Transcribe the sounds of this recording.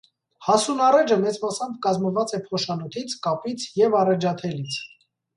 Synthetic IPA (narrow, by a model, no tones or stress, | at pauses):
hɑsunɑrɛd͡ʒəmɛt͡smɑsɑmbkɑzməvɑt͡sɛpʰɔʃɑnɔt̪ʰit͡sʰkɑpit͡sʰjɛvɑrɛd͡ʒɑt̪ʰɛlit͡sʰ